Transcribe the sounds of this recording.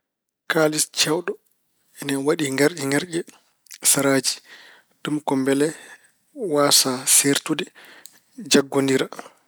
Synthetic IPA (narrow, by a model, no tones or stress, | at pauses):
kalist͡ʃɛwɗɔ | ɛnɛwaɗiŋɡaɾɗɛŋɡaɾɟɛ | saɾaːd͡ʒi̥ | d̥umkɔmbɛlɛ | waːsaseɾtudɛ | d͡ʒaɡːondiɾa